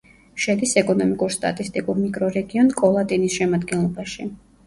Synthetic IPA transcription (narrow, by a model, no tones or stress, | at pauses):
ʃɛd̪isɛkʼɔnɔmikʼuɾst̪ʼa̰t̪ʼist̪ʼikʼuɾmikʼɾɔɾɛɡiɔnkʼɔlˠat̪ʼinisʃɛmad̪ɡɛnlˠɔbaʃi